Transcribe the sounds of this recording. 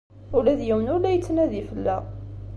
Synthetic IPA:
ʊlæðjiwənʊɾlæjət͡sːnæðifəlːæ̰

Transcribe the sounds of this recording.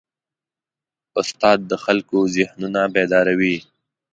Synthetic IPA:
ʊst̪ɑːd̪̚ːəxalkozɪhnunabed̪ɑɾawi

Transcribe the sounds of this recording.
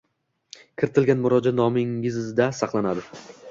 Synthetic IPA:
kʲʰɪɾɪt̪ʰɪlɡʲanmʊɾɒd͡ʒat̪nɒmɪŋɪzzd̪asɑqlˠanad̪ɪ

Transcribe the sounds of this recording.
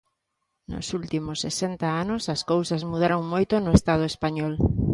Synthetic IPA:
nʊ̰sult̪imʊsːesent̪ɐanʊsɐskowsɐzmuð̞aɾoŋmojt̪onʊest̪að̞ʊespaɲɔl

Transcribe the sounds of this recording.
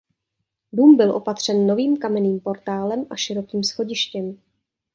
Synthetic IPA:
duːmbɪlʔo̞pat̪r̝̥ɛnːo̞viːmkamɛniːmpo̞ɾt̪aːlɛmʔaʃɪɾo̞kiːmsxo̞ɟɪʃcɛm

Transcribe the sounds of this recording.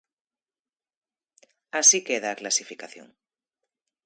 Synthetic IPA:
asikeðaːklasifikaθjo̰ŋ

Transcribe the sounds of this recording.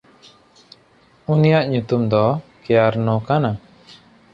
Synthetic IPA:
unijaʔɲut̪umd̪ɔkɛjaɾnɔkana

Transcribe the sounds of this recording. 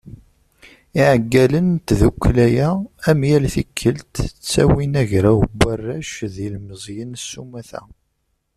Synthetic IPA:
iʕəɡːælənt̪ðukʷːlæjææmjælθikʰːəlt̪t͡sːæ̰winæʝɾæwbːarːæʃðilməzˤjənsːumæθæ̰

